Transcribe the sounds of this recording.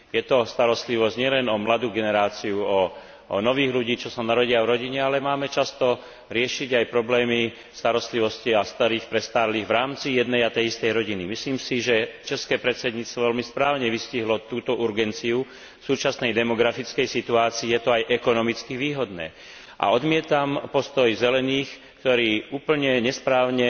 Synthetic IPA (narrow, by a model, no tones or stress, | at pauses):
jɛt̪ɔst̪aɾɔst̪liʋɔzɟɲɪɛlɛnɔmlad̪uːɡɛnɛɾaːt͡siuɔ̰ | nɔʋiːɣluɟiːt͡ʃɔsanaɾɔɟiavɾɔɟiɲɛalɛmaːmɛt͡ʃast̪ɔ | ɾɪɛʃiɟajpɾɔblɛːmi | st̪aɾɔst̪liʋɔsciast̪aɾiːxpɾɛst̪aːɾliːɣʋɾaːmt͡sijɛd̪nɛjat̪ɛjist̪ɛjɾɔɟinimisliːmsiʒɛt͡ʃɛskɛːpɾɛt͡sɛd̪ɲiːt͡st̪ʋɔʋɛlmispɾaːʊɲɛʋisciɦlɔt̪uːt̪ɔʔuɾɡɛnt͡siu | suːt͡ʃasnɛjd̪ɛmɔɡɾafit͡skɛjsit̪uaːt͡siːjɛt̪ɔajʔɛkɔnɔmit͡skiʋiːɦɔd̪nɛ̰ː | ʔa̰ɔd̪mɪɛt̪ampɔst̪ɔjzɛlɛniːx | kt̪ɔɾiːuːpl̩ɲɛɲɛspɾaːʊɲɛ